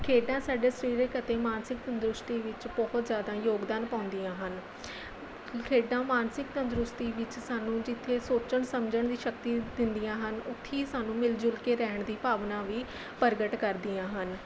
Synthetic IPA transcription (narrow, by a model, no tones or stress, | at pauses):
kʰeːɖãːsaːɖeːsəɾiːɾeːkət̪eːmaːnsɪkt̪ənd̪ɾʊst̪iːʋɪt͡ʃbɔɦʊt̪zjaːd̪ãːjoːɡd̪aːnpãːnd̪ijãːɦən | kʰeːɖãːmaːnsɪkt̪ənd̪ɾʊst̪iːʋɪt͡ʃsaːnũːd͡ʒɪt̪ʰːeːsoːt͡ʃəɳsəmd͡ʒəɳd̪iːʃək̚t̪iːd̪ɪnd̪ijãːɦənʊt̪ʰːiːsaːnũːmɪld͡ʒʊlkeːɾɛːɳ̃d̪iːpaːʋnãːʋiː | pəɾɡəʈkəɾd̪ijãːɦən